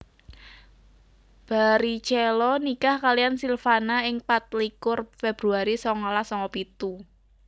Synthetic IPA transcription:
b̥a̤ɾit͡ʃɛlɔnikahkalijansilfanaɪŋpat̪̚likʊrfɛb̥ɾuaɾisɔŋɔlahsɔŋɔpit̪u

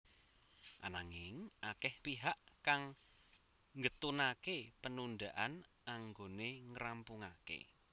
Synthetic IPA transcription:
ʔanaŋɪŋʔakɛhpiɦaʔkaŋ | ŋɡət̪unakepənundaʔan | aŋɡoneŋəɾampuŋakḛ

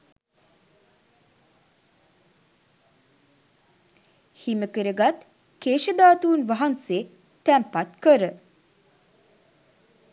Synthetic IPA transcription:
himəkəɾəɡat̪ | keːʃəd̪aːt̪uːnʋaɦanseː | t̪æmpat̪kəɾə

